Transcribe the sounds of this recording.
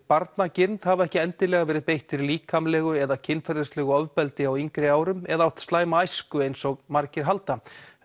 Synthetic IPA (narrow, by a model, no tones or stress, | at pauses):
paɾt̪nacɪnt̪havaɛhcɪɛnt̪ɪlɛɣavɛːɾɪðpejht̪ɪɾliːkʰamlɛɣʏɛðacʰɪnfaɾðɪslɛɣʏɔvpɛlt̪ɪawiŋkɾɪaːwɾʏmɛðaawt̪st̪laːjmaajskʏejnsɔɣmaɾcɪɾ̥ɦalt̪a